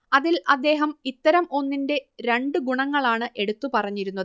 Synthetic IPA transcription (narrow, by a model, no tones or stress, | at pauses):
ɐðilɐd̪ːe̞ːɦɐmit̪ːɐɾɐmo̞nːinde̞ɾe̞ɳɖɨɡuɳɐŋːɐɭaːɳɨʔe̞ɽut̪ːupɐrɐɲːiɾunːɐðɨ